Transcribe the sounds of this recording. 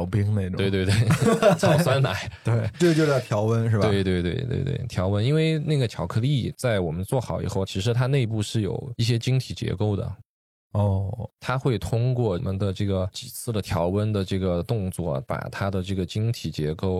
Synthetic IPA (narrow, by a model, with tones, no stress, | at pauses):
ʊpi˥ŋne˥˩ɪʈ͡ʂʊwe˥˧ɪwe˧we˥˩ɪt͡sʰɑ˨˥˩ʊsʰwa˥nna̰˨˧˥t̪we˥˩ʈ͡ʂɤ˥˩ə˩t͡ɕjo˥˧ʊjɑ˥˩t̪ʰjɑ˧˥ʊwə˥nʂɻ̩˥˩t̪we˥˧ɪt̪we˥˧ɪt̪we˥˧ɪt̪wḛ˥˧ɪt̪wḛ˥˩ɪt̪ʰjɑ˧˥ʊwə˥ni˥nwe˥˧ɪna˥˩ɡə˩t̪ʰjɑ˧˥ʊkʰɤ˥˧li˥˩t͡sa˥˩ɪwɔ˨˩mə˦nt͡swɔ˥˩xɑ˨˩˥ʊḭ˨˩xo˥˩ʊt͡ɕʰi˧˥ʂ̬ɻ̩˧˥t̪ʰa˥ne˥˧ɪp̬u˥˧ʂɻ̩˥˩jo̰˨˩ʊi˥˩ɕ̬jɛ˥t͡ɕi˥ŋt̪ʰi˨˩t͡ɕjɛ̰˧˥ko˥˩ʊd̪ə̰˩ | ɔ˥˩t̪ʰa˥xwe˥˩ɪt̪ʰʊ˥ŋkwɔ˥˧˩mə˦nd̪ə˧ʈ͡ʂɤ˥˩ɡə˩t͡ɕi˨˩t͡sʰɹ̩˥˩d̪ə˩t̪ʰjɑ˧˥ʊwə˥nd̪ə˨ʈ͡ʂɤ˥˩ɡə˩t̪ʊ˥˧ŋt͡swɔ̰˥˩pa̰˨˩t̪ʰa˥d̪ə˨ʈ͡ʂɤ˥˩ɡə˩t͡ɕi˥ŋt̪ʰi˨˩t͡ɕjɛ˧˥ko˥˩ʊ